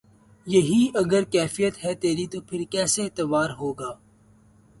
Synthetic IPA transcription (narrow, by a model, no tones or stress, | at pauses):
jɐɦiɐɡəɾkɛːfijət̪ɦɛt̪eːɾit̪oːpʰɪɾkɛːseɪt̪əʋaːɾɦoːɡaː